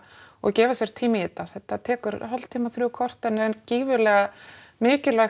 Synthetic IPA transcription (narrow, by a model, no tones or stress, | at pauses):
ɔ̰ɣcɛːvasjɛɾ̥t̪ʰiːmɪiːt̪aθɛt̪ːat̪ʰɛːkʏɾɦalt̪ʰiːmaθɾʏkʰɔr̥t̪ɛnːɛnciːvɪlɛːɣamɪːcɪlvɛx